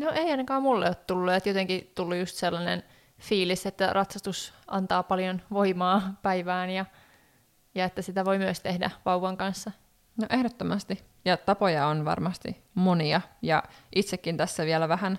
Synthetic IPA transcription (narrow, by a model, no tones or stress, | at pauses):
noʔeiɑnɑkɑːmulːeot̪t̪ulːuet̪jot̪eŋkit̪ulːujust̪selːɑnḛn | fiːliset̪ːærʔɑt̪sɑst̪usʔɑnt̪ɑːpɑljonʋoimɑːpæiʋæːnjɑ | jɑet̪ːæsit̪æʋoimyəst̪ehdæ̰ʋɑuʋɑŋkɑnsːɑ | noʔehdot̪ːomɑst̪i | jɑt̪ɑpojɑonʋɑ̰rmɑst̪ḭ | moniɑjɑ̰ʔit̪sekːint̪æsːæʋiælæʋæhæn